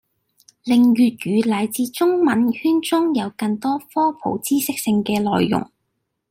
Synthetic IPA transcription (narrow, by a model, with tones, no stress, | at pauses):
lɪ˨ŋɥyː˨t̚ɥyː˨˧lɐ˨˩jt͡siː˨˧t͡sʊ˥ŋmɐ˨˥nhyː˥nt͡sʊ˥ŋjɐ˨˧wkɐ˧ŋt̪ɔː˥fɔː˥pʰo̰˨˥wt͡siː˥sɪ˥k̚sɪ˧ŋkɛː˧lɔː˨jːʊ̰˨˩ŋ